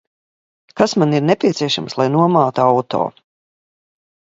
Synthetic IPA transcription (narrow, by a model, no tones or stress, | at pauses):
kasmaniɾnepʲiɛt̪siɛʃamslˠajnuɔmaːt̪uawt̪o̰ː